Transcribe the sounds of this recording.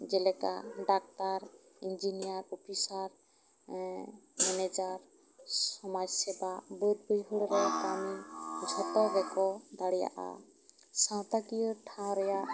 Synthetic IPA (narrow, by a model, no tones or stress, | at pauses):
d͡ʒɛlɛka̰ɖak̚taɾind͡ʒinijaɾupʰisaɾ | mɛned͡ʒaɾ | sɔmad͡ʒsɛbabɔɾ̚bɔjɦuɽɔɾɛt̪amid͡ʒʱɔtɔbɛkɔd̪aɽija̰ʔa̰ | sãw̃t̪akijɔʈʰãw̃ɾɛjaʔ